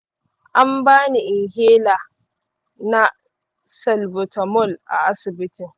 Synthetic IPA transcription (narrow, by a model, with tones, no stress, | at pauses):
ʔa˦mbaː˦ni˨ʔɪ˨ŋheː˦laː˨ | na˦ | sɐ˨lbʊ˨tɐ˨mʊ˦˨lʔa̰˨ʔa˦sɪ˨bɪ˦tɪ˨ŋ